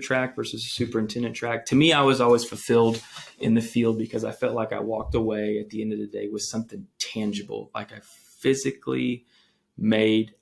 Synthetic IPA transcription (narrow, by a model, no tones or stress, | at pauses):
tʰɹ̥ækvɜ˞sɨzsʉpə˞ɨ̃ntʰɛ̃ndɨ̃ntʰɹ̥æk̚tʰɨmiaɪwʌzɔlˠwiz̥fl̩ˠfɪlˠdɨ̰̃nðɨfilˠd̚bɨkʰʌzaɪfɛlˠtˡlaɪka̰ɪwɔk̚təweɪɨt̪̚ðiɛ̃ndʌvðɨdeɪwʌz̥sʌ̃mθɪ̃ŋtʰæ̃nd͡ʒɨbl̩ˠla̰ɪkaɪ | fɪzɨklḭ | meɪd̚